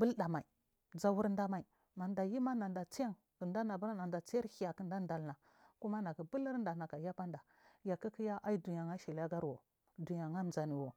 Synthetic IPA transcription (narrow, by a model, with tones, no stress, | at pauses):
bu˦lɗa˨ma˨i˨ | d͡za˦wu˦ɾnda˦ma˨i˨ | ma˨nda˨ji˦ma˦na˨nda˨t͡si˦ja˦ŋ | kə˨nda˦na˨bu˦ɾa˦na˨nda˨t͡si˦ja˦ɾhi˦ja˨kə˨nda˦nda˨lna˨ | ku˦ma˦na˨ki˨bu˦li˦ɾnda˨na˨ka˨ja˦pa˦nda˨ | ja˨ki˦ki˦ja˦ʔa˦i˦du˨ɲa˨ŋa˦ʃi˨la˦ɡa˦ɾwo˨ | du˨ja˨ŋa˦m˨d͡za˨ni˨wo˨